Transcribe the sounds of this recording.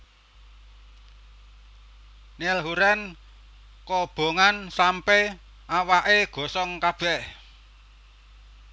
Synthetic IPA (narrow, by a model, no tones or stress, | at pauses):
nelɦuɾɛn | kɔb̥o̤ŋansampɛ | ʔawaʔeɡ̥ɔ̤sɔŋkab̥ɛ̤ʔ